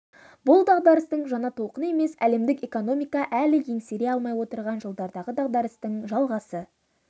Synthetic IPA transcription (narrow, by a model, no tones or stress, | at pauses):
bʊlˠd̪ɑʁd̪ɑɾəst̪əɴʒɑnɑt̪ʰo̞lˠqəne̞me̞sæ̰le̞md̪ɪke̞ko̞no̞mijkɑʔælɪje̞ŋse̞ɾe̞ɑlˠmɑjwo̞t̪əɾʁɑnʒəlˠd̪ɑɾd̪ɑʁəd̪ɑʁd̪ɑɾəst̪əɴʒɑlˠʁɑsə